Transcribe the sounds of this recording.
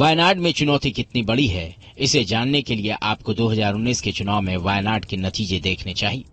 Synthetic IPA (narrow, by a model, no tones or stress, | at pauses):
ʋaːjnaːɾɖmẽt͡ʃʊnɔːt̪ikɪt̪nibɐɽiɦɛ̰ | ɪsed͡ʒaːnːekelieʔaːpkod̪oːɦɐzaːɾʊnːiːsket͡ʃʊnaːwmẽʋaːjnaːɾɖkenɐt̪iːd͡ʒed̪eːkʰnet͡ʃaːɦieː